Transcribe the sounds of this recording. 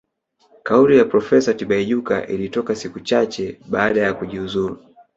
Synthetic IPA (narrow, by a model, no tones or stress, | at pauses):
kaulijapɾɔfɛsatiɓaiʄuka̰ʔilitɔkasikut͡ʃat͡ʃɛɓaːɗajakuʄiuzuɾu